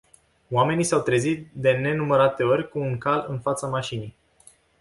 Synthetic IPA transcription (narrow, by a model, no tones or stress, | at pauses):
oame̞nisawt̪ɾe̞zit̪̚d̪e̞ne̞numəɾat̪e̞o̞rʲkuːŋkalɨnfat̪samaʃinij